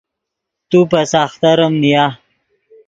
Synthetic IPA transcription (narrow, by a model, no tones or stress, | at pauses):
t̪upasaːxt̪aɾəmnija